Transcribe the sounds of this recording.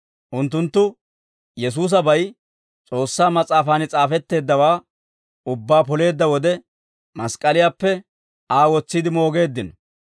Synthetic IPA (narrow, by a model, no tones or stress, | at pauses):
ʔʊnt̪̬ːʊnt̪ːʊ | jɛs̬uːs̬ɐbɐj | t͡sʼo̞ːsːaːmɐt͡sʼaːfaːnɪt͡sʼaːfɛt̪ːe̞ːd̪ːɐwaː | ʊbːaːpɔle̞ːd̪ːɐwɔd̪ɛ | mɐskʼɐlɪjaːpːɛ | aːwɔt͡sːɪd̪ɪmo̞ːɡe̞ːd̪ːɪnɔ